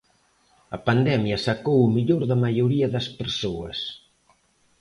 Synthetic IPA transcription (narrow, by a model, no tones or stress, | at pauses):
ɐpand̪ɛmjɐsɐkowumiʎoɾðɐmajuɾiɐðɐspeɾsoɐ̰s